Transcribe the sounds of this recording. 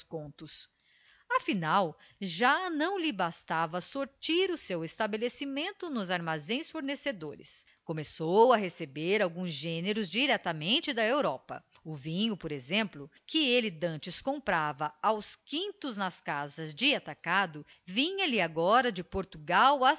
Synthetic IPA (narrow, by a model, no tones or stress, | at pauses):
skõnt̪ʊs | afinawʒanɐ̃w̃lɪbast̪avɐsoɾt͡ʃiɾʊsewest̪abelesimẽnt̪ʊnʊzaɾmazẽj̃sfoɾnesed̪oɾɪ̰s | kõmesowɐɦesebeɾawɡũzʒẽneɾʊzd͡ʒiɾɛt̪ɐmẽnt͡ʃɪd̪ɐewɾɔpɐ̰ | ʊvĩɲʊpoɾezẽmplʊkɪelɪd̪ɐ̃nt͡ʃɪskõmpɾavɐawskĩnt̪ʊznɐskazɐzd͡ʒɪat̪akad̪ʊ | vĩɲɐlɪaɡɔɾɐd͡ʒɪpoɾt̪uɡawɐ